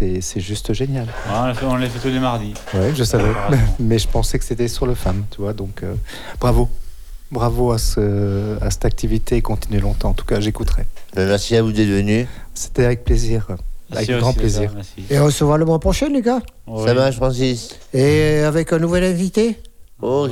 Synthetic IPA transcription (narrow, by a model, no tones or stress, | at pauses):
sɛsɛʒyst̪ʒenjal̃afɛɔ̃lefɛt̪ulemaʁd̪i | wɛʒəsavɛmɛʒəpɑ̃sɛkə̥set̪ɛsyʁləfamt̪yvwad̪ɔ̃kø | b̥ʁavo | bʁavoasəasɛ̥t̪ak̚t̪ivit̪eːkɔ̃t̪inɥelɔ̃t̪ɑ̃ɑ̃t̪u̥kaʒekut̪χɛbamɛʁsiavud̪ɛt̪vənyse̥t̪ɛavɛk̚pleziʁavɛkɡʁɑ̃pleziːʁeɔ̃ʁəsəvwaʁləmwɛ̃pχɔʃɛ̃nlikasamaʒfχɑ̃s̬is | eavɛkɛ̃nuvɛlɛ̃vit̪e | o